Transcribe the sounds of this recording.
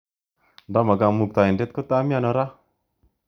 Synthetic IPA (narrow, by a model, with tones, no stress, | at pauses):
da˦ma˨ɡa˧mu˨k̚t̪a˨i˨nde˦t̪̚ko˦t̪a˦mi˦a˧nɔ˧ɾa˦